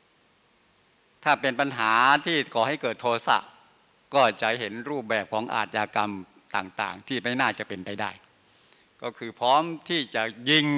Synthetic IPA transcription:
t̪ʰaː˥˩pe˧npa˧nɦaː˩˦t̪ʰiː˥˩kʰɔː˨˩ha˥˩jkɤː˨˩t̪ʰːoː˧sa̰˨˩ʔ | kɔː˥˩t͡ɕa˨˩ɦe˩˦nɾuː˥˩p̚bɛː˨˩p̚kʰɔː˩˦ŋʔa̰ː˨˩t̪̚jaː˧ka˧m | t̪a̰ː˨˩ŋt̪a̰ː˨˩ŋt̪ʰiː˥˩ma˥˩jnaː˥˩t͡ɕa˨˩pe˧npa˧jdaː˥˩j | kɔː˥˩kʰɯː˧pʰɾɔː˦˥mt̪ʰiː˥˩t͡ɕa˨˩ʔji˧ŋ

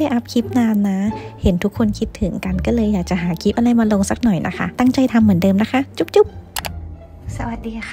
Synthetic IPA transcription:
a˥˩ʔa˦˥p̚kʰi˦˥p̚naː˧nːa˦˥he˨˩˦nt̪ʰu˦˥kʰːo˧nkʰi˦˥t̪ʰːɯ˩˦ŋka˨nkɔː˥˩lɤː˧jːaː˨˩k̚t͡ɕa˧˩ɦaː˩˦kʰi˦˥p̚ʔa˧la˧jmaː˧lo˧ŋsa˧˥k̚nɔ˨˩jnʔa̰˦˥kʰa̰˦˥t̪a˥˩ŋt͡ɕa˧jt̪ʰa˧mːɯ˩˦ndɤː˧mna˦˥kʰa˦˥t͡ɕu˦˥p̚t͡ɕu˦˥p̚ | sa˧wa˨˩t̪̚diː˧x

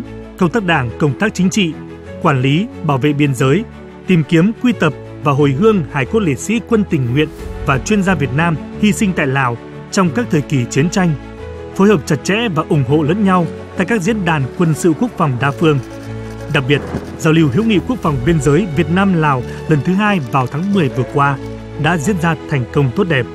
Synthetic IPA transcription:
kə˧wŋ͡mt̪aː˦˥k̚ɗaː˧˩ŋkə˧wŋ͡mt̪aː˦˥k̚t͡ɕï˨˦ŋ̟t͡ɕḭ˧˨ | kwaː˧˩nli˨˦ɓaː˧˩wvḛ˧˨ɓi˧ənzəː˨˦j | t̪i˨˩mki˨˦əmkwi˧t̪ə˨˩p̚ | vaː˨˩ɦo˨˩jɦɨ˧əŋhaː˨˩jku˦˥t̚lḛ˧˨sḭ˧˥kwə˧nt̪ï˨˩ŋ̟ŋwḭ˧˨ənvaː˨˩t͡ɕwi˧ənzaː˧vi˨˩ət̚naː˧mhi˧sï˧ŋ̟t̪a̰ː˧˨jlaː˨˩w | t͡ɕɔ˧wŋ͡mkaː˦˥k̚t̪ʰəː˨˩jki˨˩t͡ɕwi˨˦ənt͡ɕa˧jŋ̟ | fo˨˦jhəː˨˩p̚t͡ɕa˨˩t̚t͡ɕɛ̰˧˥vaː˨˩ʔʊ˨˩ŋ͡mɦo̰˧˨lə̰ː˧˥nɲa˧wt̪a̰˧˨jkaː˦˥k̚zḭ˧˥ənɗaː˨˩nkwə˧nsɨ̰˧˨ku˦˥ək̚fɔ˨˩wŋ͡mɗaː˧fɨ˧əŋ | ɗa˨˩k̚ɓi˨˩ət̚ | zaː˨˩wli˨˩wɦḭ˧˥əwŋḭ˧˨ku˥ək̚fɔ˨˩wŋ͡mɓi˧ənzəː˨˦jvi˨˩ət̚naː˧mlaː˨˩w | lə˨˩nt̪ʰɨ˨˦ɦaː˧jvaː˨˩wt̪ʰaː˨˦ŋmɨ˨˩əjvɨ˨˩əkwaː˧ | ɗa̰ː˧˥zḭ˧˥ənzaː˧t̪ʰɛ˨˩jŋ̟kə˧wŋ͡mt̪o˦˥t̚ɗɛ˨˩p̚

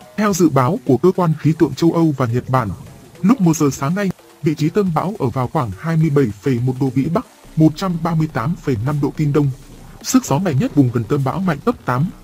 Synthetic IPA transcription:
t̪ʰɛ˧wzɨ̰˧˨ɓaː˨˦wku˧˩əkəː˧kwaː˧nxi˨˦t̪wɨ̰˧˨ŋt͡ɕə˧wʔə˧wvaː˨˩ɲə˨˩t̚ɓaː˧˩nlʊ˦˥k͡p̚mu˨˩zəː˨˩saː˨˦ŋna˧j | vḭ˧˨t͡ɕi˨˦t̪ə˧mɓa̰ː˧˥wʔəː˧˩vaː˨˩wxwaː˧˩ŋhaː˧jmɨ˧əjɓə˧˩jfə˧˩jmo˨˩t̚ɗo̰˧˨ɓḭ˧˥ɓa˦˥k̚ | mo˨˩t̚t͡ɕa˧mɓaː˧mɨ˧əjt̪aː˨˦mfə˧˩jna˧mɗo̰˧˨t̪i˧nɗə˧wŋ͡m | sɨ˦˥k̚zɔ˨˦ŋa̰˧˨jŋɲə˦˥t̚ɓʊ˨˩ŋ͡mɣə˨˩nt̪ə˧mɓa̰ː˧˥wŋa̰˧˨jŋ̟t̪ə˦˥p̚t̪aː˨˦m

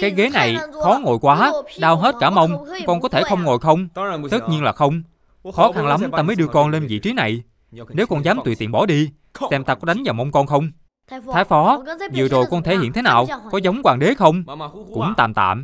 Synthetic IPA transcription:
kaː˨˦jɣe˨˦na˨˩jxɔ˨˦ŋo˨˩jkwaː˨˦ɗaː˧wɦe˦˥t̚kaː˧˩mə˧wŋ͡mkɔ˧nkɔ˨˦t̪ʰe˧˩xə˧wŋ͡mŋo˨˩jxə˧wŋ͡mt̪ə˦˥t̚ɲi˧ənlaː˨˩xə˧wŋ͡m | xɔ˨˦xa˧nla˨˦mt̪aː˧məː˨˦jɗɨ˧əkɔ˧nle˧nvḭ˧˨t͡ɕi˨˦na˨˩j | ne˨˦wkɔ˧nzaː˨˦mt̪wḭ˧˨t̪ḭ˧˨ənɓɔ˧˩ɗi˧ | sɛ˧mt̪a˧k̚ɗa˨˦ŋvaː˨˩wmə˧wŋ͡mkɔ˧nxə˧wŋ͡m̪ʰ | aː˨˦jfɔ˨˦zɨ̰˧˨əzo˨˩jkɔ˧nt̪ʰe˧˩hḭ˧˨nt̪ʰe˨˦naː˨˩wkɔ˨˦zə˨˦wŋ͡mkwaː˨˩ŋɗe˨˦xə˧wŋ͡mkʊ̰˧˥ŋ͡mt̪aː˨˩mt̪a̰ː˧˨m

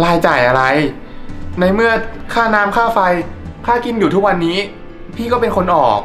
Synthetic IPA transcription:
laː˧jt͡ɕaː˨˩jʔa˧ɾa˧j | na˧jmɯ˥˩ɐkʰaː˥˩naː˦˥mkʰaː˥˩fa˧jkʰaː˥˩ki˧njuː˨˩t̪ʰu˦˥k̚wa˧nːiː˦˥ | pʰiː˥˩kɔː˥˩pe˧nkʰo˧nʔɔː˨˩k̚

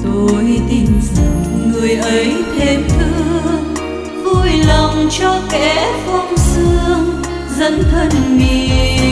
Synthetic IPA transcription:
t̪o˧˩jt̪ï˨˩ŋzɨ˨˩t̚ŋɨ˨˩əjʔə˨˦jt̪ʰe˨˦mt̪ʰɨ˧əəŋ | vu˧˩jlə˨˩wŋ͡mt͡ɕɔ˧kɛ˨˧˦fɔ˧wŋ͡msɨ˧əŋ | zə˧˥nt̪ʰə˧nŋi˧˨˩

